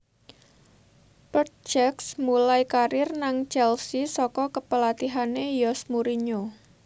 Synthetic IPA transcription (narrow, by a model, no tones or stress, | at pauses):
pərt̪̚d͡ʒɛksmulajkaɾɪrnaŋt͡ʃɛlsisɔkɔkəpəlat̪iɦanejɔsmuɾiɲo